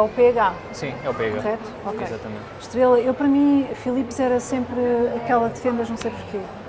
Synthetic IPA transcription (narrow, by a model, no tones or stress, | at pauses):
ɛupeɐɣa | sĩɛupeɐɣauʁɛt̪u̥ɔkejzat̪ɐmḛ̃nt̪ʃt̪ɾelˠɐewpɐɾɐmĩfilˠipzɛɾɐsẽmpɾɐkɛlˠɐd̪ɨfẽnd̪ɐʒnɐ̃w̃sejpuɾke